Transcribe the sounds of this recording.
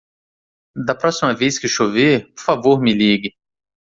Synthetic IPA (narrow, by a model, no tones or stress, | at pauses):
d̪ɐpɾɔsimɐvejskɪʃovepoɾfavoɾmɪliɡɪ